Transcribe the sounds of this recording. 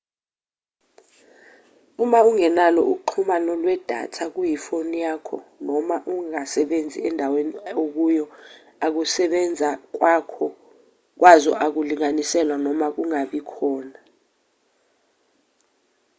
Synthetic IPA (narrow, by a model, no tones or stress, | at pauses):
umauŋɛnalɔ̰ʔuǃʰumanɔlwɛd̥ʱa̰tʰak̬ujifonijaːkʰɔ̰nɔmaʔuŋasɛɓend͡zʱḭɛndʱaweniok̬ujɔ | ak̬usɛɓɛnd͡zʱak̬wakʰɔ | k̬wazɔʔak̬uliŋanisɛlwanɔmak̬uŋaɓikʰɔːna